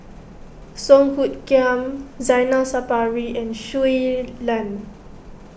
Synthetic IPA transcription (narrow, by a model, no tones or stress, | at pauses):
sɔ̃ŋhut̚kãmzajnasapaɹiʔɛ̃nʃuilãn